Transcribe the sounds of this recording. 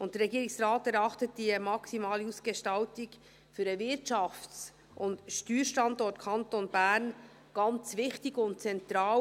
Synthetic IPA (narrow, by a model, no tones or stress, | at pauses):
ʔʊntd̥əɾɛɡiːɾɪksraːtɛɾɑχtət̚d̥imɑksimaːliuːsɡ̥eʃtɑltɪɡ | fyːɾɛvɪtt͡ʃɑft͡s | ʔʊndʃtyːɾʃtɑndɔɾtkʰɑntonb̥æɾn | ɡ̥ɑnt͡svɪχtɪɡʊnt̚t͡sɛntɾɑː